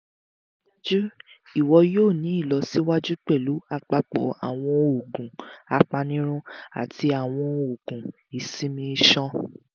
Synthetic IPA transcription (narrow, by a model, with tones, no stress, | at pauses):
d͡ʒu˦ | i˨wɔ˧joː˦˨nĩ˨˦i˦˨lɔ˧si˦wa˦d͡ʒu˦k͡pɛ˦˨lu˨˦a˧k͡pa˧k͡pɔ̰˨a̰˨w̃ɔ̃˧o˨ɡũ˨a˨˧k͡pa˧nĩ˦ɾ̃ũ˦a̰˨ti˧a˨w̃ɔ̃˧o˨ɡ̥ũ˨ | i˨sĩ˦mĩ˧˦ʃɔ̃˦